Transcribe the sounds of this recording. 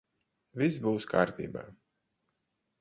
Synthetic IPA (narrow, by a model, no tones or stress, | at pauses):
visbuːskaːɾt̪ḭːba̰ː